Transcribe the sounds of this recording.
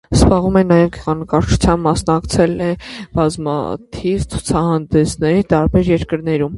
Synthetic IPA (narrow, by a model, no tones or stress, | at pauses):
zbɑʁumɛnɑjɛvɡɛʁɑnəkɑɾt͡ʃʰu̥t͡sʰjɑmbːɑsnɑkt͡sʰɛlɛb̥ɑzmɑ̰t̪ʰivt͡sʰu̥t͡sʰɑhɑnd̪ɛsnɛɾit̪ɑɾbɛɾjɛɾkəɾnɛɾum